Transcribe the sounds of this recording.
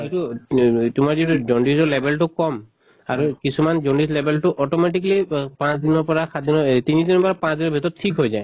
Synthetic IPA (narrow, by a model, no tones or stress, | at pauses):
ɔjtutumaɹzituzɔndizɔlɛbɛltʊkɔm | aɹukisumanzɔndislɛbʱɛltʊʔɔtɔmɛtiklipãsdinɔpɔɹaxadinɔtinidinɔɹpɔɹapãsd̪inɔbʱitɔttʰikɦojzaj